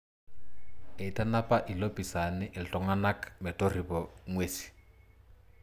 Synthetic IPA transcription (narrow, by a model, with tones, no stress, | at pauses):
e˨i˨tʼa˦na˦pʼa˦ʔi˨lopʼi˨sa˨nɪ˦ʔɪ˨ltʼɔ˨ŋa˦na˦kmɪ˨tʼo˦ri˨bɔŋweːsi̥˨